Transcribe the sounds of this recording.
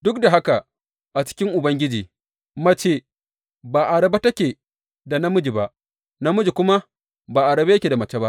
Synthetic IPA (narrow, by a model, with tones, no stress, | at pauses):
dʊ˦kda˨ɦa˦ka˨ | ʔa˨t͡ʃɪ̥˦kʲɪ˦ŋʔʊ˨bɐ˦ŋɡʲɪ˦d͡ʒiː˨ | mɐ˦t͡ʃeː˦˨ | baː˨ʔa˨ɽɐ˨ba˦tɐ˦kʲeː˨ | da˨na˦mʊ˦d͡ʒi˨ba˦ʔ | na˦mʊ˦d͡ʒi˨kʷʊ˦ma˦ | baː˨ʔa˨ɽɐ˨be˦kʲe˨da˨mɐ˨˦t͡ʃe˦ba˦ʔ